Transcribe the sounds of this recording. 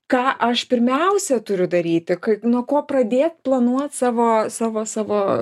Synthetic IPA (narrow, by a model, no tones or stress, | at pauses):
kɑːʔɐʃpʲɪɾʲmʲɛʊsʲɛt̪ʊɾʲʊd̪ɐɾʲiːt̪ʲɪkɐɪnuɔkoːprɐd̪ʲeːt̪plˠɐnuɔt̪sɑːʋoːsɑːʋoːsɑːʋoː